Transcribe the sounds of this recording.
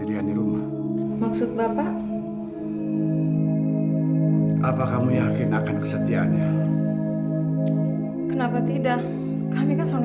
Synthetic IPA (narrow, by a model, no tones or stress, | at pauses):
iɾiandiɾumah | maksʊt̪̚bapaʔ | ʔapakamujakɪnakankə̥sət̪ia̰ɲɲa | kənapat̪idaʔ | kamikansaŋ